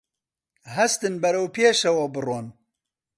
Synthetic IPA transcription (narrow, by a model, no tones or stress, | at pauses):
ɦɛst̪ɨnbɐɾɐwpʰeːʃɛwɔbɨroːn